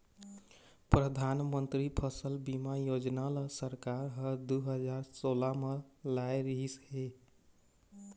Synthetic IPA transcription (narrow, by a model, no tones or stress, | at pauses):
pɾəd̪ʱanmənt̪ɾipʰəsəlbimajod͡ʒnalasəɾkaɾɦəd̪uɦəd͡ʒaɾsolamelajɾiɦisɦe